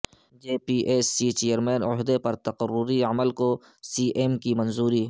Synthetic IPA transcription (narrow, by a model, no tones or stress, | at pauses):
d͡ʒeːpiːʔeːsːiːt͡ʃejəɾmeːnʊɦd̪epɐɾt̪ɐqəɾːʊɾiɐməlko | siːʔeːmkimɐ̃nzuːɾi